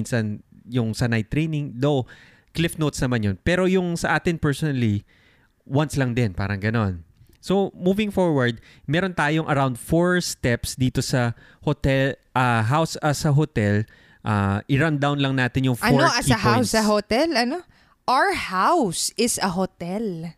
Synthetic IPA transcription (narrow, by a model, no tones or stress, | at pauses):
nsɐnjʊŋsɐnajt̪ɾejnɪŋd̪ow | klɪfnowt̪snɐmanjonpɛːɾojʊŋsɐʔaːt̪ɪnpɛɹsonɐli | wɐnslɐŋd̪ɪnpa̰ːɾɐŋɡɐno̞n | somuːvɪŋfoɹwɐɹd̪̚ | mɛːɾont̪aːjoŋʔɐɾawnd̪foɹst̪ɛpsd̪iːt̪o̞sɐ | hot̪ɛlʔɐɦawsɐsɐɦot̪ɛl | ʔaʔɪɹand̪awnlɐŋnaːt̪ɪnjʊŋfɐonoʔɐɐhawsɐɦot̪ɛlɐno | ʔaɹhawsɪsɐɦot̪ɛl